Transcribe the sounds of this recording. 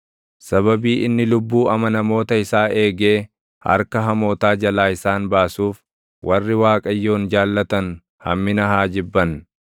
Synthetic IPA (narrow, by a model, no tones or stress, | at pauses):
sɐβɐbiːʔɪnːɪlʊbːuːɐmɐnɐmo̞ːt̪ɐɪsaːʔe̞ːɡe̞ː | hɐ̰ɾkɐɦɐmo̞ːt̪aːd͡ʒɐlaːɪsaːnbaːsuːf | wʔɐrːɪwaːkʼɐjːo̞ːnd͡ʒaːlːɐt̪ɐn | hɐ̰mːɪnɐɦaːd͡ʒɪbːɐn